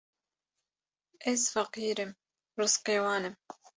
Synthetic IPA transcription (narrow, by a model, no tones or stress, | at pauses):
ʔesfɑqiːɾɪm | ɾʊsqeːwaːnɪm